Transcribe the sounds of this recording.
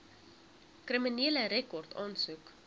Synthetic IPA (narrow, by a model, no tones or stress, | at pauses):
kriminiələɾɛkɔrtɑːnsuk